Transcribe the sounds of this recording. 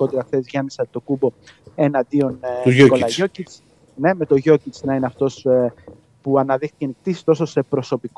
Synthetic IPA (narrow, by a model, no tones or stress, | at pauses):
o̞t̪eɾɐxθe̞zʝɐmisɐt̪o̞kubo̞enɐnd̪io̞nkolɐʝo̞cit͡s | ne̞me̞t̪o̞ʝo̞cit͡snɐineɐft̪o̞s | puɐnɐðixicenikt̪isi̥st̪oso̞se̞pɾo̞so̞pik